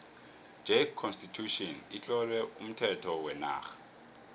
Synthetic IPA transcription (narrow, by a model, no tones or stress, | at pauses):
d͡ʒʱekʰːɔnstitʰuʃɔnit͡ɬʼɔlɛum̩tʰɛtʰɔwɛna̰ːxḁ